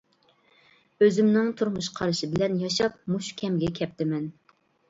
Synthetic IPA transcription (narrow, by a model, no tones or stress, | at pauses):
øzɪmnɪŋt̪ʰuɾmuʃqʰɑɾɨʃɪbɪlɛnjɑʃɑp̚muʃkʲʰɛmɡʲɛkʲʰɛp̚t̪ɪmɛn